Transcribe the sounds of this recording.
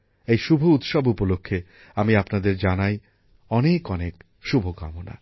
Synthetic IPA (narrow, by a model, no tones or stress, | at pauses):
ejʃubʱuut̪ʃɔbupolokʰːe | amiapnad̪eɾd͡ʑanaj | ɔnekɔnek | ʃubʱoɡɔmona̰